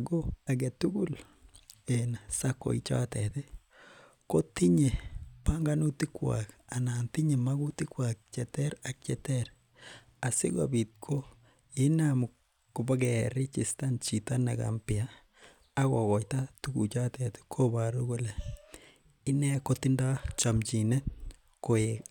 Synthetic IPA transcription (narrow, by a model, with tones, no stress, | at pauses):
ɡo˦a˨ɡe˨tu˦ɡu˦l | e˨nasa˦ko̰˨ḭ˨t͡ʃa̰˦tɛ˨te˦ | ko˦ti˦ɲe˨pa˦ŋɡa˦nu˦ti˦kwa̰˨ka˨na˨nti˦ɲe˨ma˦ɡu˦ti˦kwa˨k̚t͡ʃɛ˨tɛ˦ɾa˨k̚t͡ʃɛ˨tɛ˦ɾ | a˨sɪ̰˦ɡa̰˨bi˨t̚kʰo˦ | ɪ˦n˦mu˨ | kʊ˨ba˦ɡɛɾi˦t͡ʃɪ˨sta˦nt͡ʃi˨ta˦na˨ɡa̰˨mpɪ˨a | a˦kɔ˨kɔ˨jta˦tu˦kṵ˨t͡ʃa˦tɛti̥˦kʰo˦ba˨ɾu˦ku˦lɛ˨ | ɪ˦nɛ˦ko˦ti˦nda˦t͡ʃa˨mt͡ʃi˨nɛ˦t | ko˨jek